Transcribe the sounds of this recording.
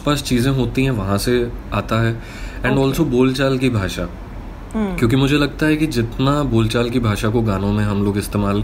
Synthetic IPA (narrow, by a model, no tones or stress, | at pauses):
paːst͡ʃiːzẽɦoːt̪iɦɛ̃ʋɐɦãseaːt̪aɦɛː | ɛ̃ːɳɖɔːlsoboːlt͡ʃaːlkibʱaːʃa | kjõːk̬imʊd͡ʒʱelɐɡ̚t̪aɦɛkid͡ʒɪt̪naboːlt͡ʃaːlk̬ibʱaːʃakoɡaːnõmẽɦɐmloːɡɪst̪eːmaːl